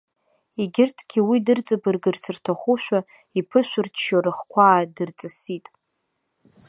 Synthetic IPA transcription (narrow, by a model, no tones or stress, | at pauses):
iɡʲɪrtʰɡʲiwidɨrt͡sʼabɨrɡɨrt͡sʰɨrtʰaχʷuʃᶣʷa | ipʰɨʃᶣʷʊrt͡ʃʰːʃaɾɨχkʷʰaːdɨrt͡sʼasitʼ